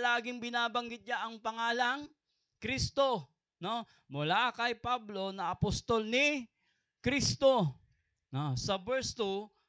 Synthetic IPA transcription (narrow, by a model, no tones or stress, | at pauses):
laːɡɪŋbɪnaːbɐŋɡɪt̪̚ɲaʔɐŋpɐŋaːlɐŋ | kɾist̪o̞ | no̞ | mʊlakɐjpablo̞nɐɐpost̪olnɪ | kɾist̪o̞ | nosɐbɛɹst̪u